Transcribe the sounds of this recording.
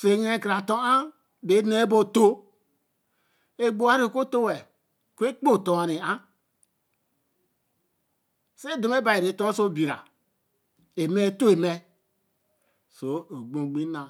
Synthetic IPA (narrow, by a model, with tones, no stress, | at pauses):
fe˨ŋ˦e˦kɾa˨to˦a˦ | be˨˦ne˦bo˦to˦ | e˦ɡ͡bo˦˨a˦ɾi˦˨ko˦to˦wɛ˨ | ku˦e˦k͡po˦˨to˨a˨ni˨a˦ | se˦do˨m˦e˦ba˨i˨ɾe˨to˦so˦bi˨ɾa̰˨ | e˨me˦to˦e˨me˦ | so˨o˨ɡ͡bo˨ɡ͡bi˦na˨